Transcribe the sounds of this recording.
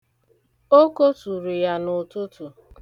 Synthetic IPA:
o˦ko˦tu˨ɾu˨ja˦nʊ˨tʊ˦tu˨

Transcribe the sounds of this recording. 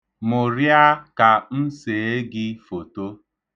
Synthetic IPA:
mʊ˨ɾja˦ka˨n̩˦se˨e˦ɡɪ˦fo˨to˦

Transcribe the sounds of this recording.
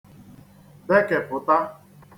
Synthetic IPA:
de˦ke˨pʊ˨ta˦

